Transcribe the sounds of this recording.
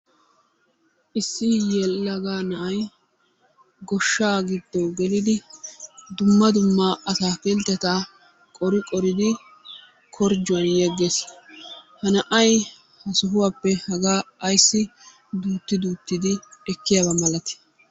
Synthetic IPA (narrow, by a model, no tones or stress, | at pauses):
ʔɪsːɪjɛlːɐɡaːnɐʔɐj | ɡɔʃːaːɡɪd̪ːɔwɡɛlɪd̪ɪ | d̪ʊmːɐd̪ʊmːaːʔɐsaːpɛlt̪ːɛt̪aː | kʼɔɾɪkʼɔɾɪd̪ɪ | kʰɔɾd͡ʒʊwɐnjɛɡːes | hɐnɐʔɐj | hɐsʊɦʊwaːpːɛhɐɡaːɐjsːɪ | d̪uːt̪ːɪd̪uːt̪ːɪd̪ɪɛkːɪjabɐmɐlɐt̪ɪ̥